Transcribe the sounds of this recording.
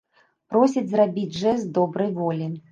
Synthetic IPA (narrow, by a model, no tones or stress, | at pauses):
pɾɔsʲid͡zʲzrabʲid͡zʲʐɛzd̪ɔbɾɐjvɔlʲi